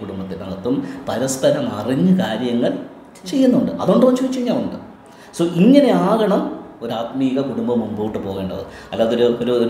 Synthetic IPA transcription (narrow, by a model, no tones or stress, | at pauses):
kuɽumbɐt̪ːilmɐnɐt̪ːumpɐɾɐspɐɾɐmɐriɲːɨkaːɾjɐŋːɐɭ | t͡ɕe̞jːunːuɳɖɨʔɐ̰ðuɳɖʋɐt͡ɕːuʋt͡ɕːɐɲːaːnuɳɖɨ | soːʔiŋːɐne̞aːɣɐɳɐmo̞ɾaːt̪miːɣɐkuɽumbɐmːumboʋiʈːɨpo̞ːɣe̞ːɳɖɐ̰ðɨ̰ɐlːaːɐðoɾuoɾuo